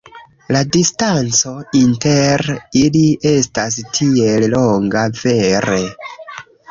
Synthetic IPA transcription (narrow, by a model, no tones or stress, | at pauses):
ladistant͡so̞inteɾilie̞stas̬tʰie̞llo̞ŋɡave̞ɾe̞